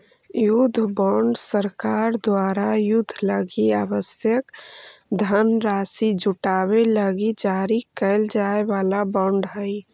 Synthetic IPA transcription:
jʊd̪ʱːbɔ̃ɳɖsəɾkaːɾd̪waːɾajʊd̪ʱːləɡiaːwəsjəkd̪ʱənɾaːsid͡ʒʊʈaːweləɡid͡ʒaːɾikəɪld͡ʒaeʋaːlabɔ̃ɳɖɦəi

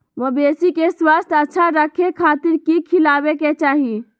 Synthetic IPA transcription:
ʋobeːsikeswaːst̪ʰɐtːʃʰaɾəkʰekʰaːt̪ɪɾkikʰɪlaːweket͡ʃaːɦie

